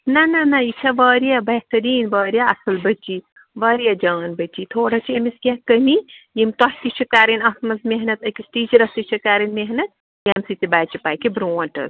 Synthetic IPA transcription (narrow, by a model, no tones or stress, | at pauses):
nɐnɐnɐit͡ʃʰɐʋəːɾjabɐht̪ɐɾiːnʋɐːɾijaɐsɐlbɐt͡ʃːi | ʋɐːɾijad͡ʒɐːnbɐt͡ʃːit̪ʰoːɽat͡ʃʰiemiskʲakəmijimt̪ɔht̪it͡ʃʰikaːɾinɐsmɐzmeɦnɐt̪ɐkisʈiːt͡ʃɐɾɐst̪it͡ʃʰɐkaːɾɐnmeɦnɐt̪̚ | jaːmsit̪ʲibaːt͡ʃipaːkibɾoːnʈɐ̰s